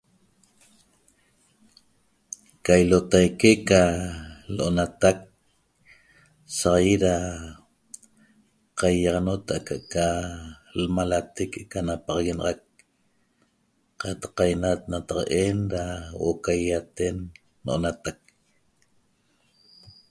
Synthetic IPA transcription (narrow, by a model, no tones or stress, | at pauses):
kajlot̪ajkekaloʔonat̪ak̚ | saʁjiɾa | qajːɑʁɑnot̪aʔkaʔka | lmalat̪ekekanapɑʁɑɣenɑ̰ʁɑk̚ | qɑt̪ɑ̥qajnat̪̚nat̪ɑqʔenɾawʔokajat̪enː | oʔo̰nat̪ak̚